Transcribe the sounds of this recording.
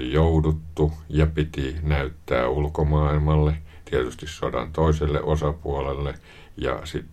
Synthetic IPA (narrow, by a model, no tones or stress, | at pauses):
ijoudut̪ːujɑpit̪inæyt̪ːæ̰ːulkomɑːilmɑlːet̪iet̪yst̪issodɑ̰nt̪oˑiselːḛʔosɑpuolelːe | jɑ̰sit̪ː